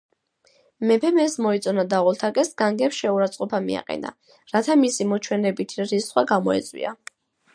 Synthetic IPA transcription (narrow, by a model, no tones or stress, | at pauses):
mɛpʰɛmɛsmɔit̪sʼɔnad̪aʁɔlˠt̪ʰakʼɛsɡaŋɡɛpsʃɛuɾat̪sʼqʼɔpʰamḭa̰qʼɛ̰na̰ | ɾat̪ʰamisimɔt͡ʃʰwɛnɛbit̪ʰɾisχwaɡamɔɛ̰t̪sʼwḭa̰